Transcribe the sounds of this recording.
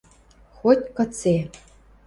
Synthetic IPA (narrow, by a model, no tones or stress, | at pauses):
xotʲkə̆t͡se